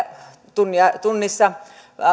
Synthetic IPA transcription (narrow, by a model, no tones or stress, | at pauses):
t̪unjɑt̪unːisːɑ